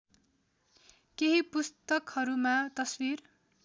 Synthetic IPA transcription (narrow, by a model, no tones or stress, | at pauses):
keɦipust̪ʌkhʌɾumat̪ʌswir